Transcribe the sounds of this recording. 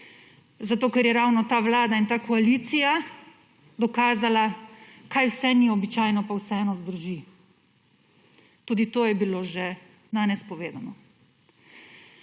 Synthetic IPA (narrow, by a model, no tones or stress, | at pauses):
zat̪oːkɛɾjɛɾaːwnɔt̪aːʋlaːd̪aint̪aːkɔaliːt̪sija | d̪ɔkaːzalakaːjwsɛniɔbit͡ʃaːjnɔpawsɛɛnɔzd̪əɾʒi | t̪uːd̪it̪oːjɛbiloːʒɛ | d̪aːnɛspɔʋeːd̪anɔ